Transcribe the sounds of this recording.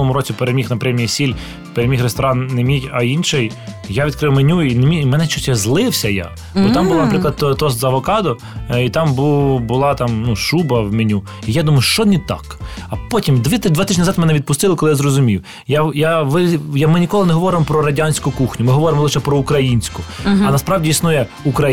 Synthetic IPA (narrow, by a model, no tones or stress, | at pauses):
ɔmʊɾɔt͡sʲipeɾemʲixnɐpɾʲɛmʲijisʲilʲ | peɾemʲixrest̪ɔɾɑnːemʲijʲɐinʃɪj | jaʋʲid̪kɾɪwmenʲuinmʲimɛnɛt͡ʃɔsʲɛzlˠɪwsʲɐja̰ | bɔt̪ɑmbʊlˠanɐpɾɪklˠɐd̪̚t̪ɔt̪ɔszɐʋɔkɑd̪ɔ | it̪ɑmbuwbʊlˠɑt̪ɑmnuʃubɐwmenʲu | ijad̪umɐjʊʃt͡ʃɔnʲit̪ɑ̰kɐpɔtʲimd̪ʋʲt̪d̪ʋɑt̪ɪʒnʲnɐzɑt̪mɛnɛʋʲid̪̚pʊst̪ɪlˠɐkɔlˠɪjazɾɔzʊmʲiw | jajaʋɪjamɪnʲikɔlˠɪnɛɦɔʋɔɾɪmɔpɾɔɾɐdʲanʲsʲkʊkuxnʲʊmɪɦɔʋɔɾemɔlˠɪʃɛpɾɔukɾɐjinʲsʲkʊɐnɐspɾɑʋdʲiisnujɛ | ukɾɐ